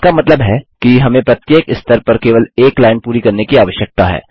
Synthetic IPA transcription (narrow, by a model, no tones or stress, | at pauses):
kamɐt̪ləbɦɛkiɦɐmẽpɾɐt̪jeːkɪst̪əɾpɐɾkeːʋəleːklaːɪnpuːɾikɐɾnekiaːʋəʃjək̚t̪aɦɛ̰ː